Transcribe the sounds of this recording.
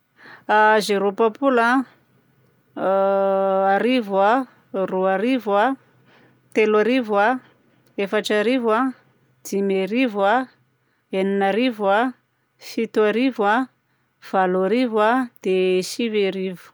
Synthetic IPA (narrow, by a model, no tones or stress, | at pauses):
azeɾopapula | aɾivwa | ruaɾiva | t̪elaɾivwa | efaʈ͡ʂaɾiva | d̪̥imeɾivwa | eninaɾivwa | fit̪uaɾivwa | v̥alaɾivwad̪̥esiveɾivu̥